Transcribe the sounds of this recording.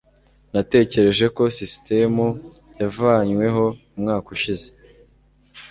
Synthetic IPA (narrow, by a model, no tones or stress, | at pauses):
nate̞ːce̞ɾe̞ʒe̞ko̞siste̞mu | javaːɲwe̞ɦo̞umŋaːkuʃize